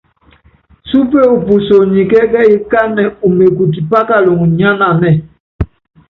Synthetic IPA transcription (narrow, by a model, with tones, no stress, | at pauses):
su˦pe˦u˨pu˨so˨ɲi˨kɛ˦kɛ˦i˦ka˦nɛ˨u˨me˨ku˨t̬i˨pa˦ka˦lo˨ŋ˨ɲa˦na˨nɛ˦˨